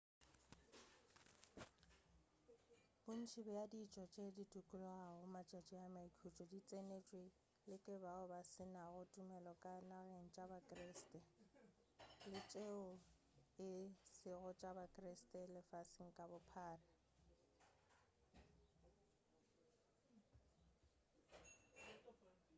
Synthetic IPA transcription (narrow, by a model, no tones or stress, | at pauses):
bʊn̩t͡ʃʰɪbɛjadiːt͡ʃʼɔt͡ʃʼeditʼukʼʊlɔaɣʊmat͡ʃʼat͡ʃʼiamaikʰut͡ʃʼɔdit͡sʼenet͡ʃʼwi | lɪkʼɪbaʊbasɪnaɣʊtʼumɛlɔkʼanaɣeŋ̩t͡ʃʼabakʼrestʼɛ | lɪt͡ʃʼeʊ | ɪsɪɣʊt͡ʃʼabakʼrɪstʼɛlɪfasɪŋ̩kʼabʊpʰaːrɪ